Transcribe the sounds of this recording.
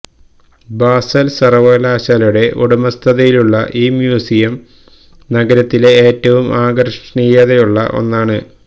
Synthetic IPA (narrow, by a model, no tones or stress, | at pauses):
baːsɐlsɐrɐʋɐːlaːɕaːljuɽe̞ʔoɽumɐst̪ʰɐðɐjiluɭːɐʔiːmjuːsijɐm | nɐɡɐɾɐt̪ːile̞eːtːɐʋumʔaːɡɐrʂɐɳijɐðejuɭːɐ̰ʔo̞̰nːaːɳɨ